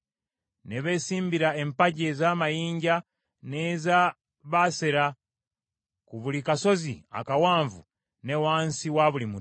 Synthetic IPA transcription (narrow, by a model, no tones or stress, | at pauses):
neβe̞siːmbiɾaempaɟe̞zamajiːɲɟa | neza | βaseɾa | kuβulikaso̞zḭa̰kawaːɱvu | ne̞waːnsiwaβulimu